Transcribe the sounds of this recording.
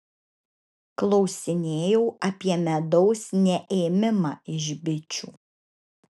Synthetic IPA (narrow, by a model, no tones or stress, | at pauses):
klˠɒʊsʲɪnʲeːjɛʊɐpʲiɛmʲɛd̪ɔʊsnʲɛʔeːmʲɪmɑ̰ːɪʒʲbʲɪt͡ʃʲuː